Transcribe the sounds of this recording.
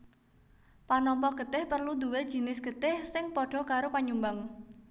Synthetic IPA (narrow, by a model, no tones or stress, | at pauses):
panɔmpɔɡ̥ə̤t̪ɪhpərlund̪uwe̥ʒ̥i̤nɪsɡ̥ə̤t̪ɪhsɪŋpɔɖ̥ɔ̤kaɾopaɲumbaŋ